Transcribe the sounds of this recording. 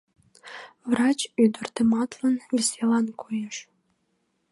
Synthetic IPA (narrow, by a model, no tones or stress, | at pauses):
vrɑt͡ɕyd̪ərt̪əmɑt̪lənvʲesʲelɑnkʰojeʃ